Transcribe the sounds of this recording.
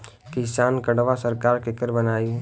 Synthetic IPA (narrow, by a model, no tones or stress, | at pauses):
kɪsaːnkəɽʋasəɾkaːɾkekəɾbənaːi